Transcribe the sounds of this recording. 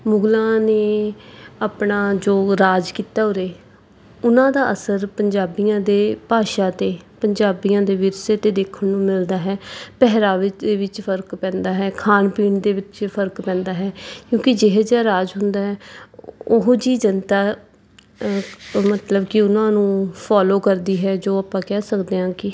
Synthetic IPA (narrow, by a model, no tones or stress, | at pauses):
mʊɡlãːneː | aːpɳaːd͡ʒoːɾaːd͡ʒkiːt̪aːɦoːɾeː | ʊnãːd̪aːʔəsəɾpəɲd͡ʒaːbijãːd̪eːpaːʃãːt̪eːpəɲd͡ʒaːbijãːd̪eːʋɪɾseːt̪eːd̪eːkʰːənnũːmɪld̪aːɦɛːpɛɦɾaːʋɪd̪eːʋɪt͡ʃpʰəɾkpɛ̃ːnd̪aːɦɛːkʰaːnpiːɳd̪eːʋɪt͡ʃpʰəɾkpɛ̃ːnd̪aːɦɛːkjõːkɪd͡ʒɪɦed͡ʒaːɾaːd͡ʒɦʊnd̪aːɦɛː | oɦd͡ʒiːd͡ʒənt̪aː | mət̪ləbkɪʊnãːnũːpʰaːloːkəɾd̪iːɦɛːd͡ʒoːaːpãːkɛːsəkd̪eːãːkɪ